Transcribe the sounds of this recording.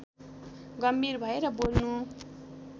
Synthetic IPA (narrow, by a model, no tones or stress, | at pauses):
ɡʌmbʱirbʱʌeɾʌbolnu